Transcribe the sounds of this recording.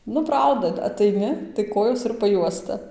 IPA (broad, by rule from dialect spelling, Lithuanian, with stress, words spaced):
ˈnʊ ˈprɐʊdɐ ɐtɐɪˈnʲɪ tɐɪ ˈkoːjoːs ɪr pɐˈjuɔstɐ